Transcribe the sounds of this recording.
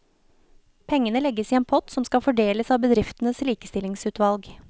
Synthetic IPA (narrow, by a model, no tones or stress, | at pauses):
pʰɛŋənəlɛɡːəsiːeːnpʰɔt̪sɔmskɑfɔɖeːləsɑːʋbəd̪ɾɪft̪n̩əsliːkəst̪ɪlɪŋsʉːt̪ʋɑlɡ